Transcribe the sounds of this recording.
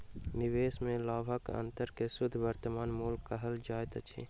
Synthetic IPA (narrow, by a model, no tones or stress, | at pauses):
nɪʋeːsmẽlaːbʱəkə̰̃nt̪əɾkesʊd̪ʱːʋəɾt̪əmaːnmuːlkːəɦəld͡ʒaːjt̪ət͡ʃʰḭː